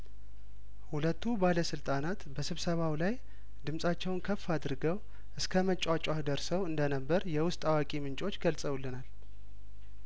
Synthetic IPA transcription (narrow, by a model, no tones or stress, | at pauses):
hulət̪ʰːubaləsɨlt̪ʼanat̪bəsɨβsəβawlaj | d̪ɨmsʼat͡ʃːɛwnkʰəfːad̪ɾɡəw | ʔɨskʰəmət͡ʃʼat͡ʃʼahd̪əɾsəwɨnd̪ənəbːəɾjɛwʊst̪ʼawakʼimɨnt͡ʃʼo̞t͡ʃːɡəlsʼəwulːɨnal